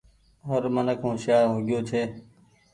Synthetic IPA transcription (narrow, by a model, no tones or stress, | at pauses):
ɦoːɾmənəkʰɦũːʃjaːɾɦoɡɪjoːt͡ʃʰeː